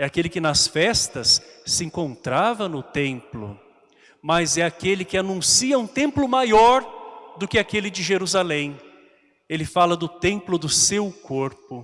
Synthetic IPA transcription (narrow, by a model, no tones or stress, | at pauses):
ɛakelɪkɪnɐsfɛst̪ɐsːɪẽkõnt̪ɾavɐnʊt̪ẽmplʊ̰ | mɐzɛakelɪkɪanũsiɐũt̪ẽmplʊmajɔɾd̪ʊkɪakelɪd͡ʒɪʒeɾuzalẽj̃ | elɪfalɐd̪ʊt̪ẽmplʊd̪ʊsewkoɾpʊ